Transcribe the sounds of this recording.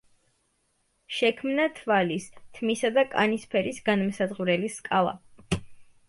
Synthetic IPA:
ʃɛkʰmnat̪ʰvalist̪ʰmisad̪akʼa̰nispʰɛɾisɡanmsad̪ʁuɾɛliskʼalˠa̰

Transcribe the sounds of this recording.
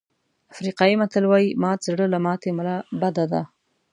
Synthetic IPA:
afɾiqɑjimat̪əlwɑjimɑzɽəlamɑt̪eməlabad̪ad̪a

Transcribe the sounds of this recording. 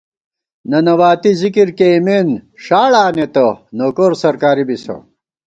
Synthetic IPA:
nɐnɐwaːt̪izikiɾkemeːnʂaːɭaːnet̪ɐnoːkoːɾsɐɾkaːɾibisɐ̰

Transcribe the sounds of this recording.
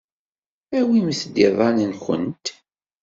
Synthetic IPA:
æwiməθd̪iðˤɑnənxə̰nt̪

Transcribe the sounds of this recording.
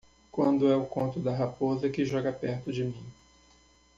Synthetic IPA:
kwɐ̰̃nd̪ʊɛʊkõnt̪ʊd̪ɐɦapozɐkɪʒɔɡɐpɛɾt̪ʊd͡ʒɪmĩ

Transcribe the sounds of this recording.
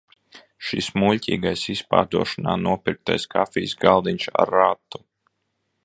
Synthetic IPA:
ʃismulʲcʲḭːɡajsispa̰ːd̪uɔʃɔnaːnuɔpiɾk̚t̪ajskʰafiːsɡalˠd̪iɲʲʃa̰ɾat̪ːu̥

